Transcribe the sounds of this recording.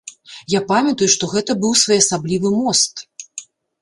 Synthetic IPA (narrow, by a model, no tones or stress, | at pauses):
japamʲɐt̪ujuʂt̪ɔɣɛt̪ɐbɨwsvɔjɐsablʲivɨmɔst̪